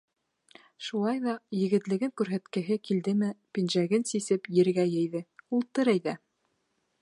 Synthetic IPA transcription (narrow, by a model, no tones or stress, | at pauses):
ʃulˠɑjðɑjɘ̆ɡɘ̆t̪lɘ̆ɡɘŋkʉɾɦæt̪kɘ̆ɦɘkild̪ɘmɘpinʒæɡɘnsisɘpjɘ̆ɾɡæjɘ̆jðɘulˠt̪ɤɾɤjðæ